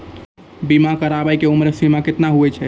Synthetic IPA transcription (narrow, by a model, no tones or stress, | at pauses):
bimakəɾabəjkeumɾsimaket̪naɦuɛt͡ʃʰɛ